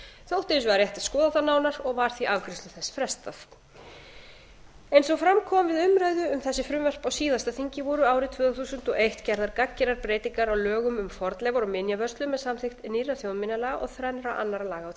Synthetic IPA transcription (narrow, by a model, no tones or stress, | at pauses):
θjowht̪ɪɪs̬vaɾjɛht̪ḁskɔːðaθanaːwnaɾɔɣvaɾ̥θiʔavkɾɪst̪lʏθɛsːfɾɛst̪af | ejnsɔɣfɾamkʰɔmvɪðʏmɾajðʏʏmθɛsːɪfɾʏmvœr̥pawsiːðast̪aθiɲcɪvɔːɾʏaːwɾɪt̪ʰv̥œːðaθuːsʏn̥t̪ɔɣejht̪cɛɾðaɾkacːɪnaɾpɾeːjt̪iŋkaɾawlœːɣʏmʏmfɔɾt̪lɛvaɾɔmɪnjavœr̥st̪lʏmːɛðsamθɪxt̪niraθjownmɪnːalɛɣaʔɔ̰ɣθɾanɾaʔa̰nːaɾalaːɣaw